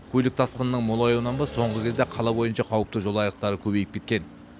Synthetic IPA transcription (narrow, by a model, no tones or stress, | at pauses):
kʲʰɵlɪk̚t̪ʰɑsqənənəɴmolˠɑjowənɑnbɑsːo̞ɴʁəkʲe̞zd̪eqʰɑlˠɑbo̞jənʃɑqʰɑwəp̚t̪əʒo̞lˠɑjəq̚t̪ɑɾəkʲʰɵbe̞jɪp̚kʲe̞t̪kʲe̞n